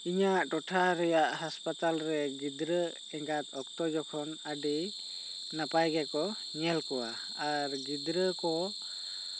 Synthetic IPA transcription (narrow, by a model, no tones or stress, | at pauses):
iɲaʔʈɔʈʰaɾɛjaʔɦaspat̪alɾɛɡid̪ɾə | ɛŋɡat̪ɔk̚t̪ɔd͡ʒɔkʰɔnəɖi | napajɡɛkɔ | ɲɛlkɔwa | aɾɡid̪ɾəkɔ